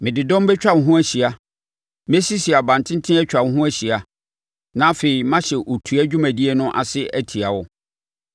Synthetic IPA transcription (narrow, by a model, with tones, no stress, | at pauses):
mɪ̃˨dɪ˨dɔ̃˦m˦bɛ˦t͡ɕᶣa˦n̩˨ɦʊ̃˦æ˦ɕi˨a˦ | m˦ɛ˦si˦si˨a˨bã˨n˨tʰɪ̃˦n̩˦tʰɪ̃˦ɛ˦t͡ɕᶣa˨n˦ɦʊ̃˦æ˦ɕi˨a˦ | nã˦fe˨i˨mã˦ɕɛ˨ʔo˨tʰu˨æ˦d͡ʑᶣu˦mæ̃˨di˦ɛ˦nʊ̃˦ʔa̰˨sɪ˦ʔæ˦tʰi˨a˨wʊ˦